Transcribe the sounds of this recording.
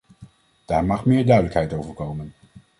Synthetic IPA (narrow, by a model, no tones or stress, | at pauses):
d̥aːɹmɑχmɪːɹdœɥdələkɦɛjtowvəɹkowmən